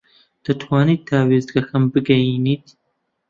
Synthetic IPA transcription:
d̪̥ɐt̪ʰwaːniːt̪̚daːweːzɡɐxɐmbɨɡɐjiːniːt̪

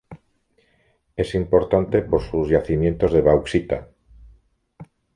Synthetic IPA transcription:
e̞simpo̞ɾt̪ant̪e̞poɾsuzʝaθimje̞nt̪o̞zðeβ̞awksit̪a

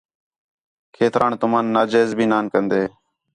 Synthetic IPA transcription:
kʰeːt̪ɾʔaːnt̪ʊmãːnːaːd͡ʒeːzbʱiːnaːnkənd̪eː

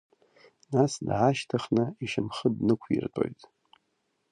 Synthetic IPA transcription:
nasdʕaʃtʰaχnɨiʃɨmχədnɨkʷʰjḭrtʼo̞̰jtʼ

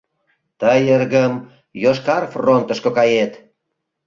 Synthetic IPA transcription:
t̪əjərɣəm | joʃkɑrfront̪əʃkokɑjet̪

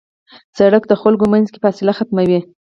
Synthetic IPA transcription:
saɽək̚d̪əxalɡomanzke̥pəɑsɪlaxat̪mawi

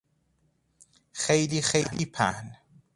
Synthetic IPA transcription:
xejlixejlḭpʰa̰n

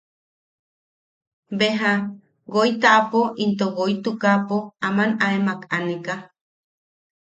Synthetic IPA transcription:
beɦa | ɡoit̪aʔːpoʔint̪oɣoit̪ukapoamanaemakaneka

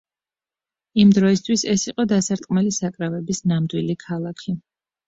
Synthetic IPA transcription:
imd̪ɾɔis̬t̪ʰwisɛsiqʼɔd̪asaɾt̪ʼqʼmɛlisakʼɾavɛbisnamd̪wilikʰalˠakʰi

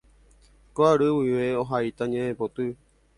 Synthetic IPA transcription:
koaɾɨwiʋeoɦait̪aɲẽẽpot̪ɨ

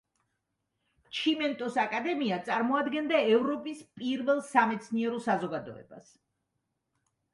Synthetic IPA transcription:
t͡ʃʰimɛnt̪ʼɔsakʼad̪ɛmiat̪sʼaɾmɔad̪ɡɛnd̪aɛvɾɔpʼispʼiɾvɛlˠsamɛt̪sʰniɛɾɔsazɔɡad̪ɔ̰ɛ̰ba̰s

